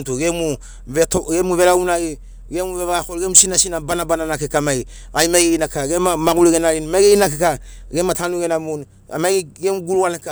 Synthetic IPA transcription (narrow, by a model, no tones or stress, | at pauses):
tuɡemu | etoɡemuβeɾaunaɡi | ɡemuβeβakolɡemusinasinabanabananakekamai | ajmaɡeinakaɡemamaɡuleɡenaɾinmaɡeinakekaɡematanuɡenamun | a̰maɡiɡemuɡuɾualeka